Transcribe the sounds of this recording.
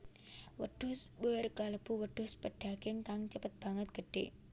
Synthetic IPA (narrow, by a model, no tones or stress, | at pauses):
wəɖ̥ʊ̤sbərkaləb̥uwəɖ̥ʊspəɖ̥a̤kɪŋkaŋt͡ʃəpət̪̚b̥aŋət̪̚ɡ̥əɖ̥e